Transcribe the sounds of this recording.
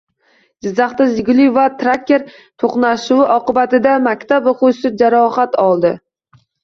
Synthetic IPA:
d͡ʒɪzːaχt̪azɪɡʲlˠijvat̪ʰɾakʲːeɾ | t̪ʰoqnaʃʊwɪʔɒqɨbat̪ɪd̪amakʲt̪ʰaboqʊsɪd͡ʒaɾɒχat̪ɒlˠd̪ɪ

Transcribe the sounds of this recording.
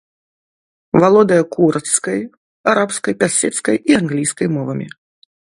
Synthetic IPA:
valˠɔd̪ɐjɐkuɾt̪skɐj | aɾapskɐjpʲasʲɛt̪skɐjianɣlʲijskɐjmɔvɐmʲḭ

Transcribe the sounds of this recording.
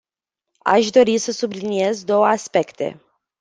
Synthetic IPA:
a̰ʃd̪o̞ɾisəsublinie̞zd̪o̞wəaspe̞kt̪e̞̰

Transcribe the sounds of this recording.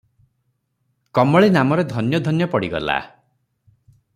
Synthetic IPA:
kɔmɔɭenamɔɾed̪ʱɔnjɔd̪ʱɔnjɔpɔɽiɡɔ̰la̰

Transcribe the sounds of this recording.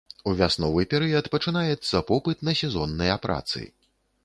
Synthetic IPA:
uvʲasnɔvɨpʲɛɾɨjɐt̪pɐt͡ʂɨnajɛt̪sːɐpɔpɨt̪nɐsʲɛzɔnːɐjapɾʔa̰t̪sɨ̰

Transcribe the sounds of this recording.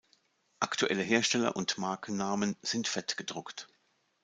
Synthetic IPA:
ʔaktʰuʔɛləɦeːɐʃtɛlɐ̰ʔʊntmaɐkn̩naːmənz̥ɪntfɛtɡ̥ədʁʊkt

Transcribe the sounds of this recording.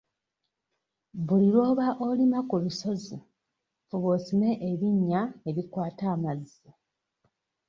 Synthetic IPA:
βuliɾo̞ːβaʔo̞limakuβiso̞zi | fuβosime̞ʔeβiɲːaeβikwaːtaːmazːi

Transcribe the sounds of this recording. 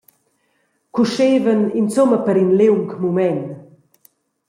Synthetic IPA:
kuʃeːvənint͡soməpəɾinlewŋkmumɛn

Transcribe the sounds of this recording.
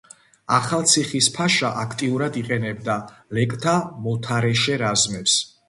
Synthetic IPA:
aχalˠt̪sʰiχispʰaʃaʔakʰt̪ʼiuɾad̪iqʼɛnɛbd̪alɛkʼt̪ʰamɔt̪ʰaɾɛʃɛɾazmɛps

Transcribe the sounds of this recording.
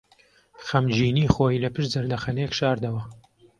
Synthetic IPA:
xɐmd͡ʒiːniːxoːjilɐpɨʃzɐɾd̪ɐxɐnejkʃaːɾd̪ɐwɐ

